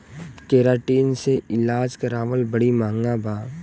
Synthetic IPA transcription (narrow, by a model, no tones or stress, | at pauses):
keːɾaːʈiːnseʔɪlaːd͡ʒkɐɾaːʋəlbəɽimãːŋɡabʱaː